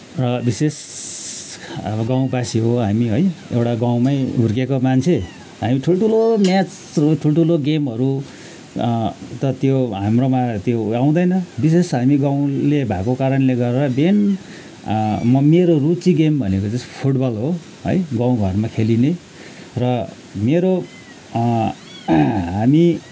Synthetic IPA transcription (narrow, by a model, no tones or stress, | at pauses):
rʌbises | ɡaw̃basiɦoɦamiɦojḛwʈaɡaw̃majɦurkekomant͡sʰe | ɦamiʈʰuloʈʰulomjat͡s | ʈʰuloʈʰuloɡemɦʌɾu | t̪ʌt̪joɦamromat̪joaw̃d̪ʌjnʌbis̬esɦamiɡaw̃lebʱakokaɾʌnleɡʌɾeɾʌben | mʌmeɾorut͡siɡembʱʌnekod͡zʌpʰuʈbʌlɦo | ʌ̰jɡãw̃ɡʱʌrmakʰeline | rʌ | meɾo | ɦami